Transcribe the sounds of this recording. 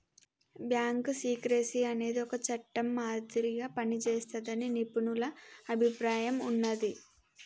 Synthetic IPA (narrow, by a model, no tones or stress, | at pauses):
bjaːŋksiːkɾesiɐne̞ːd̪iɔkɐt͡ʃɐʈːɐmːaːd̪iɾiɡaːpɐnit͡ʃeːst̪ɐd̪ɐninipunulɐːbʱipɾaːjɐmunːɐd̪i